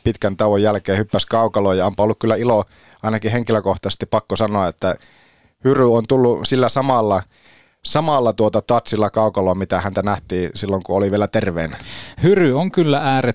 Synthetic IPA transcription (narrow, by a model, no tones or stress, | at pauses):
pit̪kænt̪ɑʋojjælkeːhypːæskɑukɑloːjɑompɑolːukkylːæilo | ʔɑˑinɑkiheŋkiløkoht̪ɑse̥st̪ipɑkːosɑnoɑet̪ːæ | hyryont̪ulːusilːæsɑmɑlːɑ | sɑmɑlːɑt̪uot̪ɑt̪ɑt̪silːɑkɑˑukɑloːmit̪æhænt̪ænæht̪iːsilːoŋkuoliʋielæt̪erʋḛːnæhyryoŋkylːææːɾe